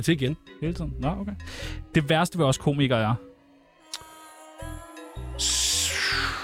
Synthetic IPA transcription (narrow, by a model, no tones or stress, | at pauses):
t͡sʰe̝iɡ̥enhe̝ːlt͡sʰið̰ˠn̩æokʰeɪd̥e̝ʋæɐsd̥əʋeɒ̽skʰo̝̰ːmiɡ̥ɐjɑ